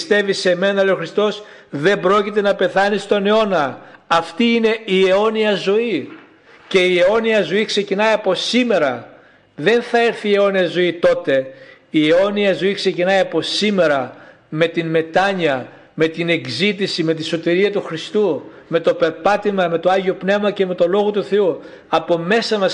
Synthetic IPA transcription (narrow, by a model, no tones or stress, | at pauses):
st̪e̞vise̞me̞nɐleoxɾist̪o̞sðe̞mbɾo̞cit̪̬e̞nɐpe̞θɐnist̪o̞neo̞nɐɐft̪iːne̞ieo̞niɐzo̞i | ce̞ieo̞niɐzo̞iksecinɐiɐpo̞sime̞ɾɐ | ðe̞nθɐeɾθie̞o̞niɐzo̞it̪o̞t̪e̞ | ie̞o̞niɐzo̞ikse̞cinɐjɐpo̞sime̞ɾɐ | me̞t̪inme̞t̪ɐɲɐ | me̞t̪ine̞ɡzit̪isime̞t̪̬iso̞t̪iɾiɐt̪uxɾist̪ume̞t̪o̞pe̞ɾpɐt̪imɐme̞t̪o̞ɐʝiopne̞vmɐce̞me̞t̪o̞lo̞ɣo̞t̪uθe̞u | ɐpo̞me̞sɐmɐs